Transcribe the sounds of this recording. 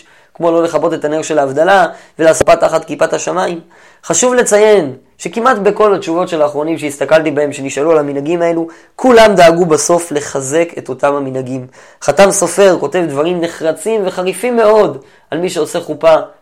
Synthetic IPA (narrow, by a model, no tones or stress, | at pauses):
kmo̞lo̞le̞χabo̞te̞t̪aneʁʃe̞laːvd̪alavelaspataχatkipathaʃamaim | χaʃuvle̞t͡saje̞n | ʃe̞kimat̪be̞ko̞latt͡ʃuvo̞tʃe̞laːχʁo̞nimʃeist̪akaltibae̞mʃe̞niʃalualaminaɡimae̞lu | kʰulamd̪aːɡubaso̞fle̞χaze̞ke̞to̞tamhaminhaɡim | χatamso̞fe̞ʁko̞te̞vdvaʁimne̞χʁat͡simve̞χaʁifimːe̞o̞d | ʔalmiʃe̞o̞se̞χupa